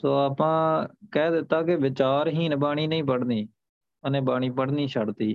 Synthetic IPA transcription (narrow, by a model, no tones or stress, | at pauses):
soːaːpãːkɛːd̪ɪt̪ːaːkɪʋɪt͡ʃaːɾɦiːnbaːɽ̃iːnəĩːp̬əɽniː | ənẽːbaːɳ̃iːpəɽniːʃʰəɽt̪iː